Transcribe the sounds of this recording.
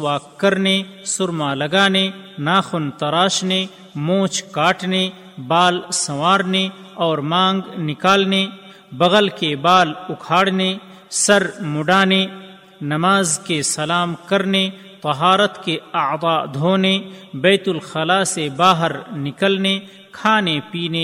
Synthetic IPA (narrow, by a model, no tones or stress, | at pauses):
waːkːɐɾne | sʊɾmaːlɐɡaːne | naːxʊnt̪ɐɾaːʃne | mõːt͡ʃʰkaːʈne | baːlsɐwaːɾne | ɔːɾmãːŋɡnɪkaːlne | bɐɣəlkebaːlʊkʰaːɽne | sɐɾmʊɖaːne | nɐmaːzkesɐlaːmkɐɾne | t̪ɐɦaːɾət̪keɐʕd̪ˤɑːd̪ʱoːnebɛːt̪ʊlxɐlaːsebaːɦəɾnɪkəlne | kʰaːnepiːne